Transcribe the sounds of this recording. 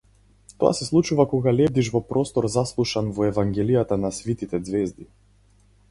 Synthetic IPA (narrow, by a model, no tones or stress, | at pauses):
t̪ɔ̰a̰sɛslˠut͡ʃuvakɔɡalɛb̚d̪iʃvɔpɾɔst̪ɔɾzaslˠuʃanvɔɛvaŋɡʲɛlijat̪anasvit̪it̪ɛd̪zvɛzd̪i